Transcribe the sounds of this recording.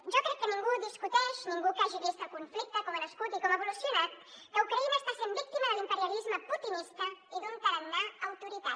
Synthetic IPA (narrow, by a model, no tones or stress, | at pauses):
ʒɔkɾɛkːənĩŋɡuðiskut̪ɛʃnĩŋɡukaʒiðist̪əkuɱflik̚t̪əkɔmənəskut̪ikɔməβulusjunat̪ | kəukɾɐinəːst̪asenbik̚t̪iməðəlimpəɾjalizməput̪inist̪ɐiðuŋk̪əɾənd̪aɐwt̪uɾit̪a